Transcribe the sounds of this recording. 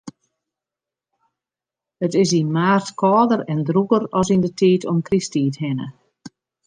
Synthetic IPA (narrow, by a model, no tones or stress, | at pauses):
ətɪsinmaːrtkʰɔːdəɾɛndrukəɾɔsindətʰiːtʰɔmkristiːthɪnə̰